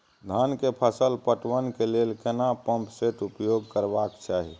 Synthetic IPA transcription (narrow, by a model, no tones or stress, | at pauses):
d̪ʱankepʰəsəlpəʈʋənkelelkenapəmpseʈupjoɡ̚kəɾbakt͡ʃaɦḭ